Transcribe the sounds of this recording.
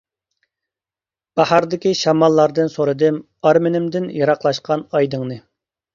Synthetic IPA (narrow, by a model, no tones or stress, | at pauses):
b̥ɑhɑɾd̪ɪkʲiʃɑmɑlˠːɑɾd̪ɨnsoɾɨd̪ɨm | ɑɾmɪnɪmd̪ɪnjɑɾɑqlˠɑʃqʰɑnɑjd̪ɨŋnɨ